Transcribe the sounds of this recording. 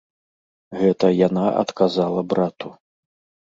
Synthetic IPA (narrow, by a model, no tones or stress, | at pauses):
ɣɛt̪ɐjanaʔɐ̰t̪kazalˠɐbɾat̪u